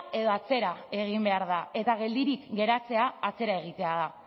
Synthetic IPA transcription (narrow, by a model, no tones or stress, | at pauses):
e̞ðo̞at͡se̞ɾae̞ɣ̞imbe̞aɾðae̞t̪aɣe̞ld̪iɾikɡe̞ɾat͡se̞aːt͡se̞ɾae̞ɣ̞it̪e̞aða